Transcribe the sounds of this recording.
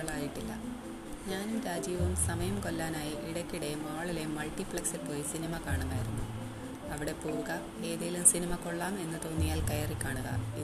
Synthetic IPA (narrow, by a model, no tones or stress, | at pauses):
ɐɭaːjiʈːilːɐ̰ | ɲaːnumɾaːd͡ʑijɐʋumsɐmɐjɐmkolːaːnaːjiʔiɽɐkʲːiɽe̞maːɭilemːɐɭʈipɭɐksilpo̞ːjisinimɐkaːɳuɣaːjiɾunːu | ɐʋiɽe̞puːɣɐ | e̞ːðijɐlumsinimɐko̞ɭːaːme̞nːɐt̪o̞ːnːijaːlkɐjɐrikʲːaːɳuɣɐ̰i